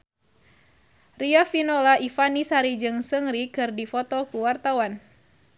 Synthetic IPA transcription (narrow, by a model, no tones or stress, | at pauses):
riafinɔlaʔifanisaɾid͡ʒɨŋsəŋɾikɨrdifɔt̪ɔkuwart̪awan